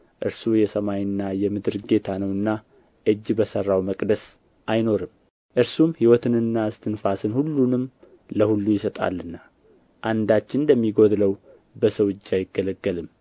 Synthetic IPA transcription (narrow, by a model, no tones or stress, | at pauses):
ʔɨɾsujɛsəmajɨnːajɛmɨd̪ɨɾɡe̞t̪ʰanəwɨnːa | ʔɨd͡ʒːbəsərːawməkʼd̪əs | ʔajno̞ɾɨm | ʔɨɾsumhiwɔt̪ɨnɨnːaɨst̪ʰɨnfasɨnhulːunɨm | ləhulːujɪsət̪ʼa̰lːɨnːa | ʔand̪at͡ʃːɪnd̪əmːiɡo̞d̪ləw | bəsəwɨd͡ʒːajɪɡːələɡːəlɨm